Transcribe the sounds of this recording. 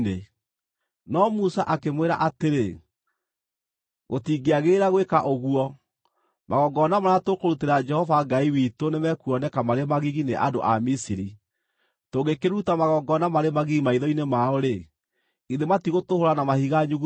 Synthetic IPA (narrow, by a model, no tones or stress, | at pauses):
e | nɔmusa̰ʔakemweɾa̰ʔateɾe | ɣotiɡeaɣeɾaɣwekaʔoɣuɔ | maɣɔɡɔnamanatokoɾuteɾad͡ʒɛhɔvaɡaiwitonemɛkuɔnɛkamaɾemaɣiɣineʔa̰do̰ʔa̰misiɾi | toɡekeɾutamaɣɔɡɔnamaɾemaɣiɣimaiðɔinemaoɾe | iðematiɣotohoɾanamahiɣaɲuɣ